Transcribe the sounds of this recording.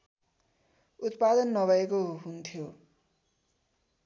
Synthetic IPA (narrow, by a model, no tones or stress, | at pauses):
ut̪pad̪ʌnːʌbʱʌekoɦunt̪ʰjo